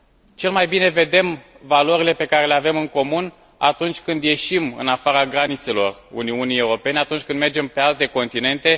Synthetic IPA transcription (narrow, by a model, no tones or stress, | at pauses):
t͡ʃe̞lmajbine̞ve̞d̪e̞m | valoɾile̞pe̞kaɾe̞le̞ave̞mɨŋko̞mun | a̰t̪unt͡ʃʲkɨnd̪je̞ʃimɨ̰nafaɾaɡɾanit̪se̞lo̞rṵniunijewɾo̞pe̞neat̪unt͡ʃʲkɨnd̪me̞rd͡ʒe̞mpe̞alt̪e̞ko̞nt̪ine̞nt̪e̞